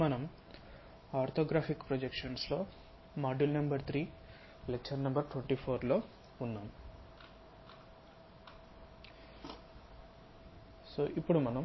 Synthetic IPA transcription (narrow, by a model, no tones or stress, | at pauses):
mɐnɐm | aːɾt̪ʰoːɡɾaːpʰikpɾod͡ʒekʂɐnslo̞ː | maːɖulnɐmbɐɾt̪ʰɾiː | lek̚t͡ʃɐɾnɐmbɐɾʈweɳʈiːpʰoːɾlo̞ː | unːaːm | soːʔipːuɽumɐnɐm